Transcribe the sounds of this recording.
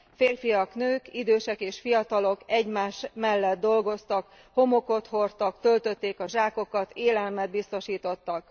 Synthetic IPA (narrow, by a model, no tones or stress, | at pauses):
feːrfijɒknøːkid̪øːʃɛkeːʃfijɒt̪ɒlo̞kɛɟmaːʃmɛlːɛd̪̚d̪ːo̞lɡo̞st̪ɒk | ho̞mo̞ko̞t̪ho̞rt̪ɒkt̪ø̞lt̪ø̞t̪ːeːkɒʒaːko̞kɒt̪eːlɛlmɛd̪̚bist̪o̞ʃiːt̪o̞t̪ːɒk